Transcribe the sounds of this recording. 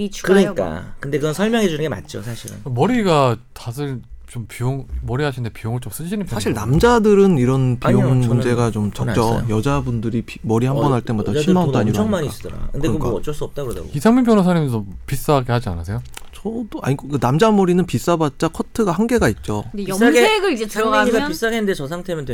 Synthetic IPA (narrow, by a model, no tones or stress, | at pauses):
kɯɾʌɲik͈a̰kɯndekɯɡʌnsʰʌɭmjʌŋɦed͡ʑunɯnɡema̰tt͡ɕ͈o̰sʰaɕʰiɾɯ̰nmʌɾiɡatas̬ʰɯɭt͡ɕompijoŋmʌɾiɦaɕʰindepijoŋɯɭt͡ɕ͈oms͈ɯd͡ʑiɕʰinɯnmpʰsaɕʰiɭnamd͡ʑadɯɾɯniɾʌnpijoŋmund͡ʑe̞ɡat͡ɕomt͡ɕʌt͡ɕ͈ʌ̰jʌd͡ʑabundɯɾipimʌɾihambʌnɦaɭt͈e̞madaɕʰimandaɲiɾoŋmaɲis͈dɾa̰kkɯnkdekkaʌt͡ɕ͈ʌɭs͈uʌp̚t͈aɡoda̰ɡo̰isʰaŋmimpʰjʌnosʰanimnsʰʌpis͈aɡehad͡ʑia̰nas̬ʰe̞jo | t͡ɕʌdoa̰ɲikkɯnamd͡ʑamʌɾinɯnpis͈abat̚t͡ɕ͈akʰʌtʰɯɡahaŋɡe̞ɡait̚t͡ɕ͈ojeɡɯɭd͡ʑt͡ɕais͈aɡenndet͡ɕʌsʰaŋtʰemɯnw